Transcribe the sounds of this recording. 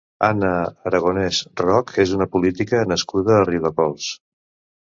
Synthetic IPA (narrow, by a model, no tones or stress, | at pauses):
anəːɾəɣ̞onɛzrɔkʰezunəpulit̪ikənəskuðəːriðəpɔlˠs